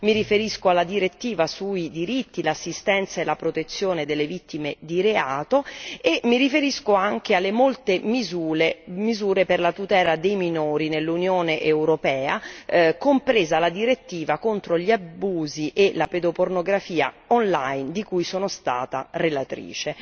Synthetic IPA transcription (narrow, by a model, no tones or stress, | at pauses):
miɾifeɾiskoalːad̪iɾet̪ːiːvasuid̪iɾit̪ːilasːist̪ɛnt̪saelːapɾot̪et̪sːjoːned̪elːevit̪ːimed̪iɾeaːt̪oemːiɾifeɾiskoaŋk̟ealːemolt̪emizuemizuːɾeperlat̪ut̪ɛːlad̪ejminoːɾinelːunjoːneʔewɾopɛːakompɾeːzalad̪iɾet̪ːiːvakont̪ɾoʎiabuːziʔelaped̪opornoɡɾafiːa̰ | onla̰jnd̪ikujsoːnost̪a̰ːt̪a̰relat̪ɾḭːt͡ʃe